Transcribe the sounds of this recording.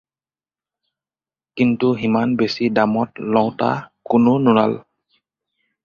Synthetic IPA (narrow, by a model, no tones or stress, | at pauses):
kintuɦimanbesidamɔt̚lɔwta̰kʊnʊnʊna̰l